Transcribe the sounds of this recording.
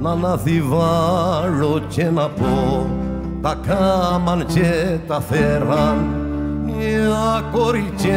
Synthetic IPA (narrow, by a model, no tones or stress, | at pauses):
nanaθivaɾot͡ʃenapo | d̪akamant͡ʃet̪aθɛɾa | niakoɾit͡ʃe